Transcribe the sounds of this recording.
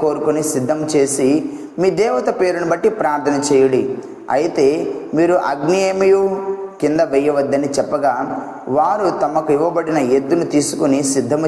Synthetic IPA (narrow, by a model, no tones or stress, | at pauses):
ko̞ːɾukunisid̪ʱːɐmt͡ʃe̞ːsi | miːd̪ɛːʋɐt̪ɐpe̞ːɾunubɐʈːipɾaːɾt̪ʰɐnɐt͡ʃɛːjɐɽi | ɐ̰jit̪e̞ːmiːɾuʔɐɡnijeːmɐjukind̪ɐʋɛjɐʋɐd̪ːɐnit͡ʃɛpːɐɡaː | ʋaːɾut̪ɐmɐkuiʋːɐbɐɽinɐed̪ːunut̪iːsu̥kunisid̪ʱːɐm